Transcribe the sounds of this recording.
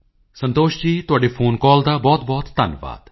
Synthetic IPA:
sə̃nt̪oːʃd͡ʒiːt̪ʊaːɖeːpʰoːnkɔːld̪aːbɔːt̪bɔːt̪ːənʋa̰ːd̪

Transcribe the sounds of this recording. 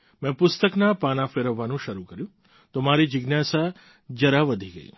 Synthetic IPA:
mɛ̃pʊst̪əknapanafeɾəʋːanũʃəɾukəɾjũ | t̪omaɾid͡ʒɪɡnjasa | d͡ʒəɾaʋəd̪ʱiɡə̰ḭ

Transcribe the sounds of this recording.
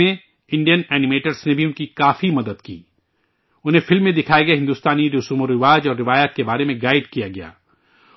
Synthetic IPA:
ẽ | ɪ̃ɳɖijənɛːnɪmeːʈəɾsnebʱiʊnkikaːfimɐd̪əd̪kḭː | ʊnɦẽfɪlmːẽd̪ɪkʰaːjeɡɐeɦɪ̃nd̪uːst̪aːniɾʊsuːmoɾɪʋaːd͡ʒɔːɾːɪʋaːjat̪̚kebaːɾemẽɡaːɪɖkijaɡɐja̰ː

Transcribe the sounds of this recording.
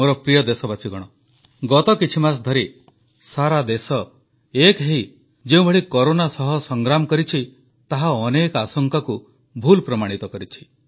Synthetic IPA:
moɾɔpɾijɔd̪esɔbasiɡɔɽ̃ɔ | ɡɔt̪ɔkit͡ʃʰimas̬d̪ʱɔɾi | saɾad̪esɔ | ekɦeɦi | d͡ʒeũbʱeɭikɔɾonasɔɦɔsɔŋɡɾamkɔɾit͡ʃʰi | t̪aɦaɔnekasɔŋkaku | bʱulpɾɔmaɽ̃it̪ɔkɔɾit͡ʃʰi̥

